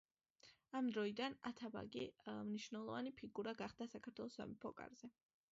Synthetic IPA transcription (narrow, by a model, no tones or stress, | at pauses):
amd̪ɾɔid̪ana̰t̪ʰaba̰ɡimniʃvnɛlˠɔvanipʰiɡuɾaɡaχd̪asakʰaɾt̪ʰwɛlˠɔsa̰mipʰɔkʼa̰ɾz̥ɛ